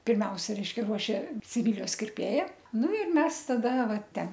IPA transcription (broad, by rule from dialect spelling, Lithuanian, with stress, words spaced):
pʲɪrʲˈmʲɛʊsʲɛ ˈrʲɛɪʃʲkʲɛ ˈruɔʃʲeː sʲɪˈʋʲiːlʲɪjoːs kʲɪrʲˈpʲeːjɛ ˈnʊ ɪr ˈmʲɛs tɐˈdɐ ˈʋɐ ˈtʲɛn